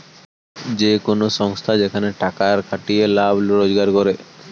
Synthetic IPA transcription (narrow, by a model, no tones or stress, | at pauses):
d͡ʒekonosɔŋst̪ʰad͡ʒekʰaneʈakaɾkʰaʈielabʱlɾod͡ʒɡaɾkɔɾe